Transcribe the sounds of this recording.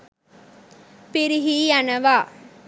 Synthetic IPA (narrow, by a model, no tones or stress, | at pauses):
piɾiɦiːanɐʋaː